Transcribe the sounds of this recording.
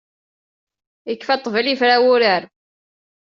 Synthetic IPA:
jəkːfæt̪ˤːvəlifɾæwʊɾəɾ

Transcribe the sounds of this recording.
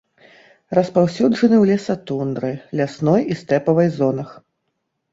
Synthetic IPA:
rɐspawsʲuʐɐnɨwlʲɛsat̪und̪ɾɨlʲasnɔjist̪ɛpɐvɐjzɔnɐx

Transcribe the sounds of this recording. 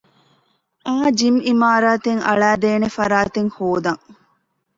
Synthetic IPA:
ʔaːd͡ʒimimaːɾaːt̪eŋɐ̰ɭæːd̪eːnefɐɾaːt̪eŋhoːd̪ɐŋ

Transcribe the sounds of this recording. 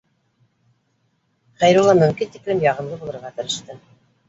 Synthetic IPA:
χæjɾulˠːɑmɵ̆mkint̪iklɘmjɑʁɤ̆nlˠɤbulˠɤ̆ɾʁɑt̪ɘ̆ɾɘ̆ʃt̪ɘ

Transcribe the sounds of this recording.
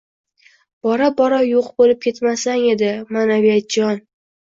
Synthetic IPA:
b̥ɒɾabɒɾajoqbolɪp̚kʲʰe̞t̪masaŋe̞d̪ɪmanavijat̪̚d͡ʒɒn

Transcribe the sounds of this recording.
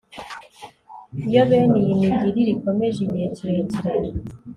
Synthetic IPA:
ijoβenijiniɡiɾiɾikomeʒiɲetiɾetiɾano

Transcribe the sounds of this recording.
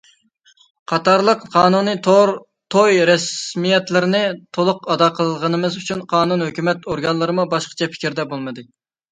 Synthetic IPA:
qʰɑt̪ɑɾlˠəqqʰɑːnunɨt̪ʰoɾ | t̪ʰojɾɛsmijɛt̪lɪɾɪnɪt̪ʰolˠʊqɑd̪ɑqʰəlˠʁənɨmɨzyt͡ʃʰynqʰɑːnunhøkʲymɛt̪oɾɡɑnlˠəɾɨmubɑʃqə̥t͡ʃʰɛpʰɪ̥kʲɾd̪ɛbolˠmɨd̪ɨ

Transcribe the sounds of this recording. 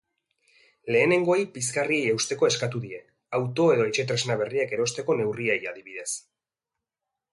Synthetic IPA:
le̞ːne̞ŋɡo̞ajpiskariejewst̪e̞ko̞e̞skat̪uðie̞ | awt̪o̞e̞ðo̞et͡ʃe̞t̪̬ɾe̞znaβ̞e̞riake̞ɾo̞st̪e̞ko̞ne̞wriejaðiβ̞iðe̞s

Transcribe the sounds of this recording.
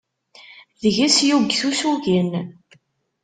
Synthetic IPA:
ðəʝæsjuɡθusuʝən

